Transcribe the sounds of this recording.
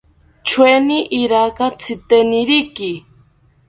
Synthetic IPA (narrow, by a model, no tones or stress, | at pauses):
t͡ʃʰweniʔiɾakat͡sʰit̪eniɾiki